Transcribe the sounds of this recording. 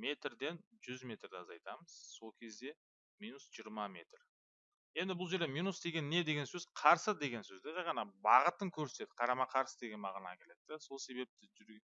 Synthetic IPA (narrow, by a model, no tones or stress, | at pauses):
me̞t̪rd̪e̞nʒʏzmʲe̞t̪rd̪ɪɑzɑjt̪ɑməz̥so̞lˠkʲʰe̞zd̪e̞ | minusʒ̥ijəɾmɑme̞t̪r | je̞nd̪ɪbʊlˠʒe̞ɾd̪emijnusd̪e̞ɡʲe̞nːe̞d̪e̞ɡʲe̞nsɵz̥qʰɑɾsəd̪e̞ɡʲe̞nsɵzd̪eʒɑjʁɑnɑbɑʁət̪əŋkʲʰɵɾsee̞d̪ɪ̥qʰɑɾɑmɑqʰɑɾsəd̪e̞ɡʲe̞nmɑʁɑnɑ̰kʲʰe̞le̞d̪d̪eso̞lˠse̞be̞p̚t̪ɪʒʏɾɡʲ